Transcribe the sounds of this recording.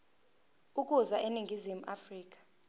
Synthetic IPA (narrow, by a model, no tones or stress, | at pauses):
ukʼuzaʔeniŋɡʱizimuʔafriːk̬ʼḁ